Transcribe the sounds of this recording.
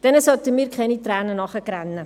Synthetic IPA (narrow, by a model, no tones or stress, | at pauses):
d̥ɛnəsɔt̪əmiːɾkχɛnit̪ræːnənɑχəkɾænːə